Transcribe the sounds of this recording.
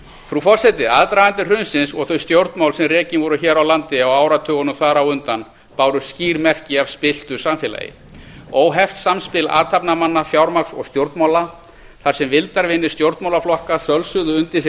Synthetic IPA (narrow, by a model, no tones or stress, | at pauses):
fɾufɔr̥sɛt̪ɪaːðt̪ɾajant̪ɪr̥ʏnsɪnsɔɣθœɥst̪jowɾt̪mawlsɛmrɛːcɪnvɔɾʏçɛːɾawlant̪ɪawaːwɾat̪ʰœːɣɔnʏmθaːɾawʏnt̪an | paːwɾʏsciːɾmɛr̥cɪavspɪl̥t̪ʏsamfɪla̰jɪ̰ | oːwɦɛft̪samspɪla̰ːt̪ʰapnamanːafjawɾmaksɔ̰ɣst̪jowɾt̪mawla | θaɾ̥sɛmvɪlt̪aɾvɪnːɪ̥st̪jowɾt̪mawlaflɔhkasœlsʏðʏʏnt̪ɪs